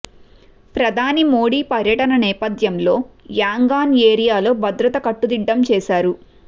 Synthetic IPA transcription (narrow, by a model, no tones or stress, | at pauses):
pɾɐd̪ʱaːnimo̞ːɽiːpɐɾjɐʈɐnɐnɛːpɐd̪jɐmlo̞ːjaːŋɡaːneːɾijaːlo̞ːbʱɐd̪ɾɐt̪ɐkɐʈːud̪iɖːɐmt͡ʃɛːsaːɾu